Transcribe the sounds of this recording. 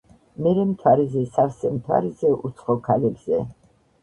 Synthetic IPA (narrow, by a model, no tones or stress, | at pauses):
mɛɾɛmt̪ʰwaɾizɛsafsɛmt̪ʰwa̰ɾizɛʔut̪sʰχɔkʰalɛbz̥ɛ